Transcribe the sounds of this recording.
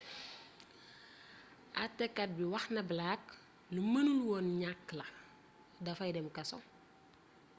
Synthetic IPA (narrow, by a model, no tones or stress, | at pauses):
ʔɐtːɛkːɐt̚biwɐxnɐblak | lumɐnuluwɔnɲakːlɐ | dɐfɐjdɛmkɐsɔ